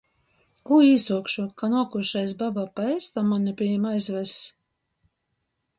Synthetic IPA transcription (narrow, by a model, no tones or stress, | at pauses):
kuiːsuɔkʃukanuɔkuʃajs̬babapaɛst̪amanʲɛpʲijɛmajzvɛs